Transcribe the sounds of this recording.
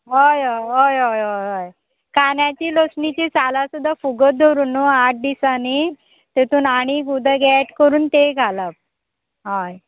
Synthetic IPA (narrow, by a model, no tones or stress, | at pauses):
ɦəjojɦojɦojɦojɦoj | kanjat͡ɕiːloksɳit͡ɕesalasud̪ʱːafuɡət̪̚d̪ʱoɾuːnːoaʈ̚ʰd̪isani | t̪et̪uːnaɽ̃iːɡud̪ʱəɡɛʈkəɾuːnt̪eɡʱalap̚ | ɦaj